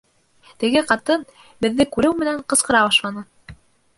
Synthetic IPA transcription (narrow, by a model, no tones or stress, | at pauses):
t̪ɘ̆ɡɘqɑt̪ɤn | bɘ̆ðːɘkʉɾɘwmɘ̆næɴqɤ̆sqɤ̆ɾɑbɑʃlˠɑnɤ